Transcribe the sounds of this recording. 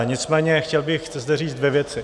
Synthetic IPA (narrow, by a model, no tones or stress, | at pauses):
ɲɪt͡smɛːɲɛxcɛlbɪxɛzd̪ɛriːt͡sd̪vjɛvjɛt͡sɪ